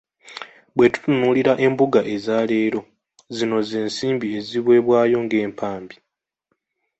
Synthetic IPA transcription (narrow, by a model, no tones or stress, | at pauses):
bwe̞tu̥tunuːliɾaʔe̞mbuɡaʔe̞zaːle̞ːɾo̞ | zino̞ze̞ːnsiːmbie̞ziβwe̞ːβwaːjo̞ŋɡe̞ːmpʰaːmbi